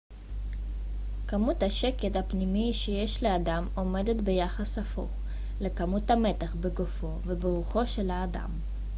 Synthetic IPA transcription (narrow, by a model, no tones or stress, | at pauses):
kamuthaʃe̞kethapnimiʃejeʃle̞adamo̞me̞de̞tbe̞jaχasafo̰ | le̞kamuthame̞taχbeɡofo̞vebeʁuχo̞ʃe̞laːda̰m